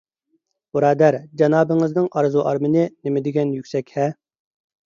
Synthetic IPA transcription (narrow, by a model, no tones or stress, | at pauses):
uɾɑːd̪æɾd͡ʒɑnɑːbɨŋɨznɨŋʔɑɾzuʔɑ̰ɾmɨnɨnɪmɪd̪ɪɡʲɛnjykʲsɛkʲhɛ